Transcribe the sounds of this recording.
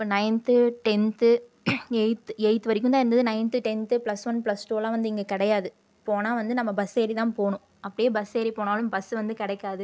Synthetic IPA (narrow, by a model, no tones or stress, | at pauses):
ɪɪpːoːnɐɪnt̪ɯʈɛnt̪ɯ | ɛɪt̪ɯɛɪt̪ːɯʋɐɾɪkːɯmnd̪aːɪɾɯnd̪ɐðɯnɐɪnt̪ɯʈɛnt̪ɯplɐsʋɐnplɐsʈoːlãːʋɐnd̪ɯɪŋɡekɪɽɐjaːðɯ | poːnaːʋɐnd̪ɯnɐmːɐbɐseːɾit̪ãːpoːɳʊ̃ | ɐpːɐɽɪjeːbɐseːɾipoːnaːlɯmbɐsːɯʋɐnd̪ɯkɪɽɛɪkːaːðɯ